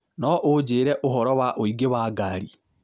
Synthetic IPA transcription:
nɔʔod͡ʒeːɾɛʔoɦɔɾɔwaʔoiɡewaːɡaɾi

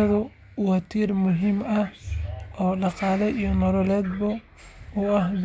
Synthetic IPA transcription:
ɐðʊ | wɑt̪ʰiːrmʊɦiːmɐhʔɔːɖɑqɑːlɛʔijɔnɔlɔlɛːd̪̚bɔ | ʊɑhd

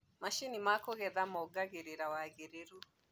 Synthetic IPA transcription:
maʃinimakoɣɛðamɔɡaɣeɾeɾawaɣeɾeɾu

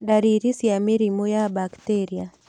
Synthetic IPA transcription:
daɾiɾisiamiɾimɔjabaktɛɾia

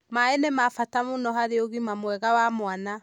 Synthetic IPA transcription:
maɛnɛmafatamonɔɦaɾeoɣimamwɛɣawamoana

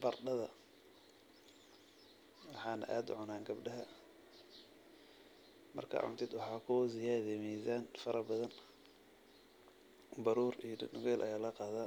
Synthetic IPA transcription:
bɐrɖɐðɐ | wɑħɑːnɐ̰ʔa̰ːd̪ʊʕʊnaːŋɡɐbɖɐɦɐ | mɐ̰rkʰa̰ːʕʊ̰nt̪ʰɪd̪wɑħɑːkʰʊzɪjaːðɛmiːsaːnfɐɾɐbɐðɐn | bɐɾuːɾijdnʊɣɛːlʔɐjaːlɐqɑːðaː

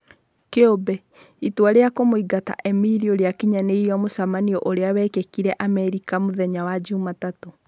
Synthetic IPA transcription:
keobɛ | itwaɾejakomoiɡata̰ʔɛmiɾioɾeakiɲaneiɾiamosamaniɔʔoɾeawɛkekiɾɛʔamɛɾikamoðɛɲawad͡ʑumatato

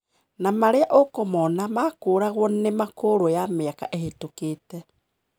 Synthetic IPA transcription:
namaɾeaʔokomɔnamakoːɾaɣwɔnemakoɾojameakaʔehetoketɛ

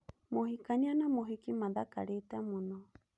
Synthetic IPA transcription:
mohikaɲanamoɦikimadaka̰ɺɛt̪amunɔ

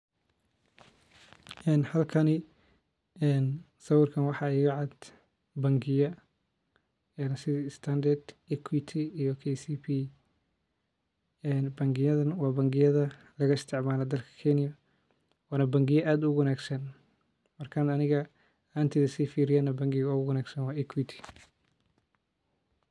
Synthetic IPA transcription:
ʔɛːnhɐlkʰɐnɪ | ɛːn | sɐwɪrkʰɐnwɑħɑɛːɣʊʕɑd̪ | bɐŋɡɪjɐ | ɛnsɪðiɪst̪ʰand̪ɐrd̪ikʰwit̪ʰiijɔkʰɛsiːpʰi | ɛːnbɐŋɡɪjɐðɐnwɑːbɐŋɡɪjɐðɐ | lɐɣɐɪst̪ʰɪʕmaːlɐd̪ɐlkʰɐ̥kʰɛnɪjɐ | wɑːnɐbɐŋɡɪjɐʔaːd̪ʊwɐnaːɡsɐn | mɐrkʰɐnɐnɪɣɐ | nt̪ʰɪðɐsiːfiːɾɪjaːnɐbɐŋɡɪɣɐɣʊwɐnaːɡsɐnwɑːɛkʰwit̪ʰi̥

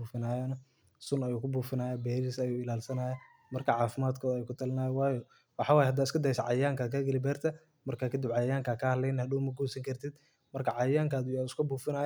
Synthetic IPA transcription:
uːfɪnaːjɔnɐ | sʊnɐjuːkʰʊbuːfɪnaːjaːbɛːɾisɐjuːɪlaːlsɐnaːjaː | mɐrkʰɐʕɑːfɪmaːd̪kʰɔːðɐjuːkʰʊt̪ʰɐlɪnaːjwɑːjɔ | wɑħɑːwɑːjɛhɐd̪aːɪskʰɐd̪ɐjsɐʕɑjjaːŋkʰaːkʰɐɡɐlɪbɛːrt̪ʰɐ | mɐrkʰaːkʰɐd̪ɪbʕɑjɐjaːŋkʰaːkʰɐhɐdlɛjnhɐd̪uːmɐɡuːsɐŋkʰɐrt̪ʰɪd̪̥ | mɐrkʰɐʕɑjjaːŋkʰaːd̪ʊjaːɪskʰʊbuːfɪnaːj

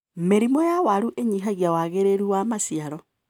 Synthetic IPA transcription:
meɾimɔjawaɾuʔeɲiɦaɣjawaɣeɾeɾuwamasiaɾɔ

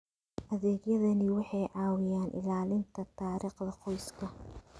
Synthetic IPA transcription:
ʔɐðɛːɡjɐðɐnɪwɑħɑjʕɑːwɪjaːnʔɪ̰laːlɪnt̪ʰɐt̪ʰaːɾiːqðɐqʰɔjskʰɐ

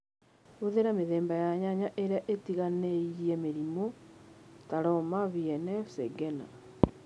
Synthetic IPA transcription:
oðeɾameðeːmbajaɲaɲaʔeɾeaʔetiɣaneiiɛmeɾimo | taɾɔmaβjɛnɛseɡɛna̰

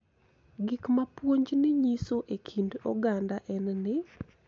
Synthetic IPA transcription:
ɡikmapwoɲd͡ʒnɪɲisoʔekʰindɔɡandaʔɛnnɪ

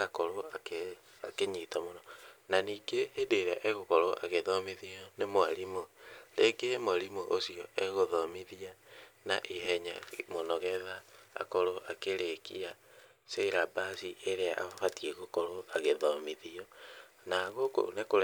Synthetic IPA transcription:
akoɾoak | akeɲitamonɔnaniːɡeʔːdeɾaʔeɣokɔɾoʔa̰ɣeðɔmiðiɔnemoaɾimoleɡemoɾimoʔosiɔeɣoðɔmiðiana̰ʔiɦɛɲa̰monɔɣɛða̰ːkɔɾoʔakeɾekḭa | seiɾabasiʔeɾeaʔaβatiɛɣokɔɾoaɣeðɔmiðiɔ | naɣoko̰nekoɾ

